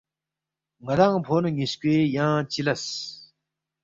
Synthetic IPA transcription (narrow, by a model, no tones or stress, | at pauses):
ŋaɾaŋpʰonəɲiɕkʲeːjaŋt͡ɕilas